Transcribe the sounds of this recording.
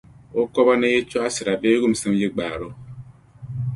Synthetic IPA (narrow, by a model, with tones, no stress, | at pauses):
o˦kɔ˦ba˦ne˦je˦t͡ʃo˦a˦si˨ɾa˨be˦ɡu˦m̩˨se˦m˦ji˦ɡ͡ba˨ɾo˦